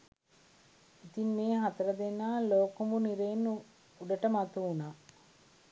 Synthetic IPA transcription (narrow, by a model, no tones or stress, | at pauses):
it̪inmeːɦat̪ɐɾəd̪enːaːloːkumbuniɾeːnːu | uɖɐʈəmat̪uːnaː